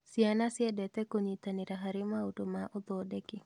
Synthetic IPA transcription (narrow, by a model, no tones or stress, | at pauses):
sianasɪɛdɛt̪ɛkoɲit̪anɪɾaɦaɾɪmaudomaʔɔd̪ɔdɛɡɪ